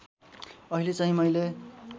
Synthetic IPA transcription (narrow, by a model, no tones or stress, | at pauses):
ʌɦilet͡saɦĩmʌjle